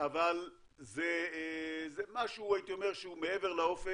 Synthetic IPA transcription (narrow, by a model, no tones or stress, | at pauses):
aval | ze | zemaʃuuajit̪io̞meʁʃeumeeveʁlao̞fe